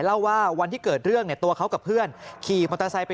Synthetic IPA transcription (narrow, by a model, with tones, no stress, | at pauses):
jla˥˩wːaː˥˩wa˧nt̪ʰiː˥˩kɤː˨˩t̪̚ɾɯ˥˩əŋni˥˩ət̪u˧ɐkʰa˦˥wka˨˩pʰːɯ˥˩ənkʰiː˨˩mʰo˧nt̪ʰa˧sa˧jp